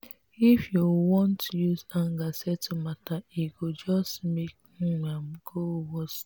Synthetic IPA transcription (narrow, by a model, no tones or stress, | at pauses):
ifjuwɔ̃ntujuzaŋɡasɛtumataiɡod͡ʒɔstmek̚ | ŋ̩ŋam̩ɡowɔs